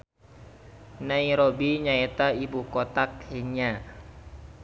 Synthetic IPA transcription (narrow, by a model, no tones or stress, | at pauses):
naiɾobiɲaɛt̪aibukɔt̪akhɛɲa